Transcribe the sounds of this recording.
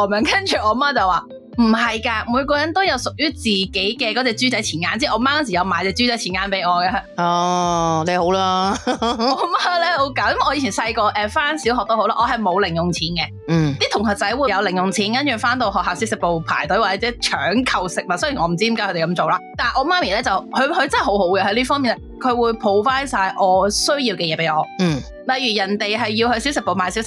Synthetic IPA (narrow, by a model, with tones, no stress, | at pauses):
ɔː˨˩mɛ˨˧˩ŋkɐ˥nt͡ʃʰyː˨ʔɔː˨˧˦maː˥t͡sɐ˨waː˨˩ | m̩˨˩ɦɐ˨jkaː˧muː˨˧jkɔː˧jɐ˨˥nt̪o˥wjɐ˨˧wsʊ˨k̚jyː˥t͡siː˨˩ke˨˥jkɛː˧kɔː˨˥t͡sɛː˧t͡syː˥t͡sɐ˨˥jt͡sʰiː˨˩nŋaː˨˥nt͡sɛː˥ʔɔː˨˧maː˥kɐ˥ns̬i˨jɐ˨˧wmaː˨˧t͡sɛː˧t͡sy˥t͡sɐ˨˥jt͡sʰi˨˩ŋaː˨˥npe˨˥jɔː˨˧ka˧ɔː˧le˨˧ho˨˥wlaː˧ | ɔː˨˧˦maː˥lɛː˥ho˨˥wkaː˨˥jɐ˥mʔɔː˨˧jiː˧i˨˩nsɐ˧jkɔː˧ʔɛː˧faː˥nsiː˨˥wɦɔː˨k̚t̪who˨˥wlaː˧ʔɔː˨˧ɦɐ˨jmo˨˧wlɪ˨˩ŋjʊ˨˩ŋt͡sʰiː˨˥nkɛ˧˩ | t̪iː˥t̪ʰʊ˨˩ŋɦɐ˨t̚t͡sɐ˨˥jwuː˨˧jɐ˨˧wlɪ˨˩ŋjʊ˨˩ŋt͡sʰiː˨˥nkɐ˥nt͡ʃyː˨faː˥nt̪o˧hɦɔː˨k̚haː˨wsi˨˥wsɪ˨k̚po˨wpʰa̰ː˨˩jt̪ɵ˨˥waː˨t͡sɛː˨˧˥t͡sɛː˨˥t͡ʃʰœː˨˥ŋkʰɐ˨wsɪ˨k̚mɐ˨tsjnŋɔː˨˧m̩˨˩t͡si˥i˧˥aː˧˥hɵ˧t̪e˨˩kɐ˧˥mt͡so˨wlaː˧˥t̪aː˨˩ʔɔː˨˧maː˥miː˨˩lɛː˥t͡sɐ˨˩whɵ˨˧hɵ˧ɥt͡sɐ˥n˥˨˩ho˨˥who˨˥kɛ˧hɐ˧˥liː˥fɔː˥ŋmiː˨˩nɛ˥kʰɵ˨˧ɥwuː˨˧jpʰo˨˧wfaː˥jsaː˧jʔɔː˨˧sɵ˥ɥjiː˧wkɛ˧jɛː˨˧pe˨˥jɔː˨˧n̩˥˩ | lɐ˨jyː˨˩jɐ˨˩nt̪e˨jɦɐ˨jːi˧whɵ˧ɥsi˨˥wsɪ˨k̚po˨wpʰaː˨˩si˧˨˥wsɪ˨k̚